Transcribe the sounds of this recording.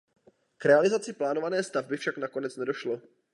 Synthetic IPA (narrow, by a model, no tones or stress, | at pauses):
kɾɛalɪzat͡sɪplaːnovanɛːst̪avbɪfʃaknako̞nɛt͡snɛdo̞ʃlo̞